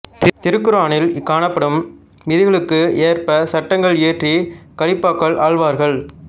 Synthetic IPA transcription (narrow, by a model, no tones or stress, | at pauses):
t̪ɪɾɯkːɯɾaːnɪlkaːɳɐpːɐɽɯm | ʋɪðɪɣɐɭɯkːɯeːrpɐsɐʈːɐŋɡɐɭeːʈrikɐɽɪpːaːkːɐɭʔaːɭʋaːɾɣɐɭ